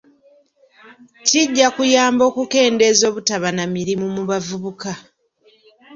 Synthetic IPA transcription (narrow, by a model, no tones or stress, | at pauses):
ciɟːakujaːmbo̞ːkuke̞ːnde̞zo̞ːβutaβanamiɾimumuβavuβuka